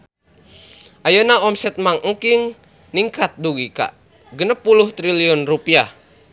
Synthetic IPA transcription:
ʔajənaɔmsɛt̪̚maŋʔəŋkiŋ | niŋkat̪̚duɡika̰ʔ | ɡənəpːuluht̪ɾiliɔnrupia

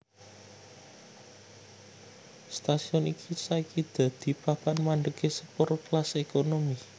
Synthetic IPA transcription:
st̪asiɔnikʰisaikid̪̥ä̤d̪̥i̤papanmaɳɖ̪əɡ̥esəpoɾplasekonomi

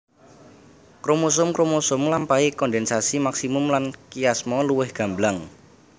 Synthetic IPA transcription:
kɾomusʊmkɾomusʊmlampaikɔndɛnsasimaksimʊmlankijasmɔluwɪhɡ̥a̤mblaŋ

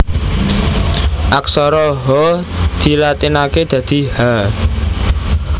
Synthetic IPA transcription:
ʔaksɔɾɔɦɔ | d̪̥i̤lat̪inaked̪̥ä̤d̪̥i̤ha

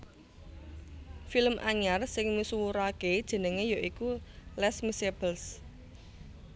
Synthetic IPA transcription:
filəmʔaɲarsɪŋmisuwuɾaked̥ʒ̥ə̤nəŋejoʔikulɛsmisebəls

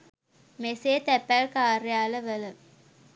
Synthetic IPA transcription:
meseːt̪æpːælkaːɾjaːləʋələ

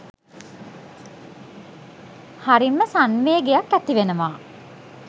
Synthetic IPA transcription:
haɾimːəsanʋeːɡejakːæt̪iʋenəʋaː

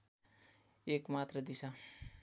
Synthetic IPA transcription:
ekmat̪ɾəd̪isa

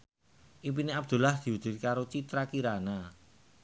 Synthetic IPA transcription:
ʔip̬ineab̚d̪̥ṳlahd̪̥i̤wud̪̥ɪ̤t̪kaɾot͡ʃit̪ɾakiɾana

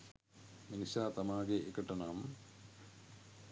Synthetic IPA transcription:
minisaːt̪ɐmaːɡeʔekːɐʈːɐnaːm

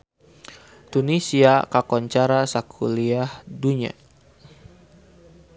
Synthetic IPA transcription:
t̪unisiakakɔɲt͡ʃaɾasakʰuliahduɲa̰

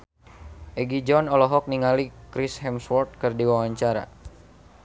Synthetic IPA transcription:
ʔɛɡid͡ʒɔnɔlɔɦɔk̚niŋalikɾishɛmswɔrt̪̚kɨrdiwawaɲt͡ʃaɾa̰

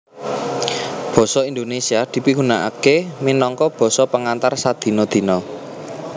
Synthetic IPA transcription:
b̥ɔ̤sɔind̪onesiad̪̥i̤piɡunaʔa̰keminɔŋkɔb̥ɔ̤sɔpəŋant̪arsad̪̥i̤nɔd̪̥i̤nɔ

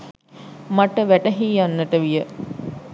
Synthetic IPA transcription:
maʈəʋæʈəɦiːjanːəʈəʋijə

